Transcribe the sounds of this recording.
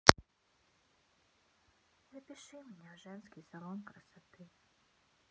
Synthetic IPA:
vɨpʲɪʂɨmʲɪnʲaʐɛnskʲijsɐlˠɔnkɾɐsat̪ɨ

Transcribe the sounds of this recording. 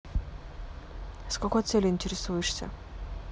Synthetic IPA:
skɐkojt̪sɛlʲɪɪnʲtʲɪɾʲɪsujɪʂsʲə̰

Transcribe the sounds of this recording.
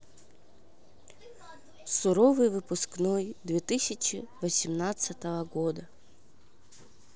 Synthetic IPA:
sʊɾɔvɨjvɨpʊsknɔjd̪vʲet̪ɨsʲɐt͡ʃɪvɐsʲimnat̪sɐt̪ɐvɐɣɔd̪ɐ

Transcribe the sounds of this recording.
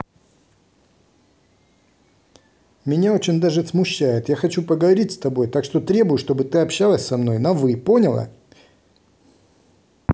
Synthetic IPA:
mʲɪnʲaot͡ɕɪnʲd̪aʐɨsmʊɕːæjɪt̪jaxɐt͡ɕupəɡəvɐɾʲitʲst̪ɐbo̞jt̪akʂt̪o̞t̪ɾʲe̞bʊjʊʂt̪o̞bɨt̪ɨɐpɕːalˠəsʲsɐmno̞jnɐvɨpo̞nʲɪlˠə̰

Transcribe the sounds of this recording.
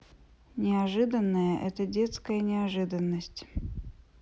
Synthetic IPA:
nʲɪaʐɨd̪ənːəjəʔɛ̰t̪ədʲe̞t̪skəjənʲɪaʐɨd̪ənːəsʲtʲ

